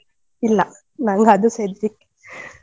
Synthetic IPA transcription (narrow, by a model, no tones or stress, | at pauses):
ilːɐ | naŋɡɐɐd̪used̪ɾikː